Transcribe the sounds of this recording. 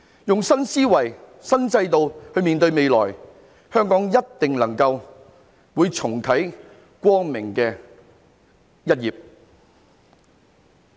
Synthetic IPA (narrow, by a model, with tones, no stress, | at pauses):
jʊ˨ŋsɐ˥nsiː˥wɐ˨˩j | sɐ˥nt͡sɐ˧jt̪o˨whɵ˧ɥmiː˨nt̪ɵ˧ɥme˨˧jlɔː˨˩j | hœː˥ŋkɔː˨˥ŋjɐ˥tt̪ɪ˨ŋlɐ˨˩ŋkɐ˧w | wuː˨˧jt͡sʰʊ˨˩ŋk̪ʰɐ˨˥j | kʷɔː˥ŋmɪ˨˩ŋkɛː˧ | jɐ˥t̚jiː˨p̚